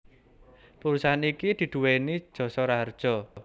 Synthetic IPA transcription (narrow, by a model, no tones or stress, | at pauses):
puɾusaɦanikid̪̥i̤d̪̥ṳwenid̥ʒ̥ɔ̤sɔɾard̥ʒ̥ɔ̤